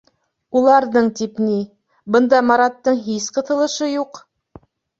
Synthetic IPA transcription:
ulˠɑɾðɤɴt̪ipni | bɤ̆nd̪ɑmɑɾɑt̪ːɤɴɦisqɤ̆θɤ̆lˠɤ̆ʃɤjuq

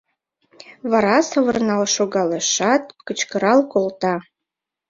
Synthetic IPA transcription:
vaɾɑsəvərnɑlʃoɡɑleʃɑt̪̚kət͡ʃkəɾɑlkolt̪ɑ

